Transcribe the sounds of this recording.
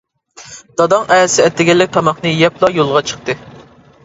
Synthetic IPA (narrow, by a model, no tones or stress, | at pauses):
d̪̥ɑd̪ɑŋɛsɪɛt̪ːɪɡʲɛlːɪk̚ʲt̪ʰɑmɑχnɨjɛplˠɑjolˠʁɑt͡ʃʰə̥χt̪ɨ